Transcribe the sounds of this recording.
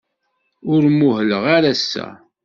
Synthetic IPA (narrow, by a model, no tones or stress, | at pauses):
ʊɾmuɦələʁaɾæsːæ̰